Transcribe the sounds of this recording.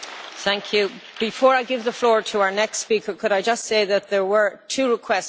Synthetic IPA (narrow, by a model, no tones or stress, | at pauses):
θæ̃ŋkʰjʉb̥ɪfɔːɹaɪɡɪvðəflɔːɹtʰəaʊə˞nɛkstspikə˞kʰʊɾaɪd͡ʒʌstseɪðət̪̚ðə˞wə˞tʰʉːɹɪkʰw̥ɛs